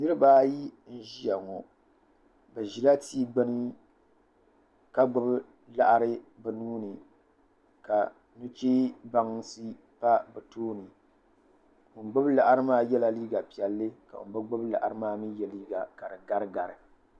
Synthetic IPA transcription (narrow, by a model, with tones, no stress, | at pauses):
nɨ˦ɾɨ˦baː˦ji˦n̩˦ʒi˦ja˨ŋo˨ | bɛ˨ʒi˨la˦tʰiː˦ɡ͡bɨ˦nɨ˦ | ka˦ɡ͡bʊ˦b | la˨ʔa˨ɾɨ˦bɛ˨nuː˦nɨ˨ | ka˨ | nu˦t͡ʃeː˦ba˦ŋsɨ˦ | pa˦bɛ˨toː˦nɨ˨ | ɨ˨ɡ͡bʊ˦bla˨ʔa˨ɾɨ˦maː˦jɛ˦la˨liː˦ɡa˨pi˨ɛ˨lːɨ˦ka̰˨˦bɨ˦ɡ͡bʊ˦bla̰˨ʔa˨ɾɨ˦maː˦mi˦jɛ˨liː˦ɡa˨ka˨ɾɨ˨ɡa˦ɾɨ˦ɡa˨ɾɨ˨